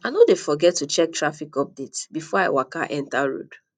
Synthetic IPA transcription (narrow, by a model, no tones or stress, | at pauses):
anodefɔɡɛtːut͡ʃɛk̚tʰɹafikɔp̚detbifɔaɪwaka̰ʔɛ̃ntaɹo̰d